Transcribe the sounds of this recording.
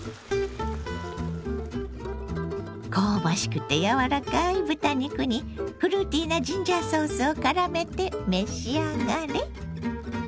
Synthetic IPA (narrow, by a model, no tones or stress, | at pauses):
kʰoːbaɕi̥kɯ̟t̪e̞jaβaɾakaibɯ̟t̪aɲʲikɯ̟ɲ̟i | pɯ̟ɾɯ̟ːt̪ʲiːnad͡ʑĩɲd͡ʑaso̞ːsɨo̞kaɾame̞t̪e̞me̞ɕiaɡane